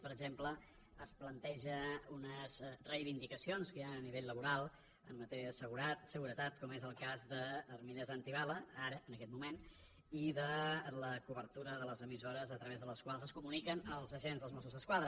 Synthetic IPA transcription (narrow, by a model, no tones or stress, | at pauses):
pəɾəɡzempləː | splənt̪ɛʒəunəzrəjβind̪ikəsionskəjaəniβeʎləβuɾalˠ | əmːət̪ɛɾiəðəsəɣuɾat̪səɣuɾət̪at̪kɔmezəlˠkazðəːrmiʎəzant̪iβaləaɾəːnəkɛt̪mumen | iðələkuβəɾt̪uɾəðələzəmizoɾəzət̪ɾəβezðələskwalˠzəskumunikənəlˠzəʒenzðəlˠzmɔs̬uzðəskwaðɾə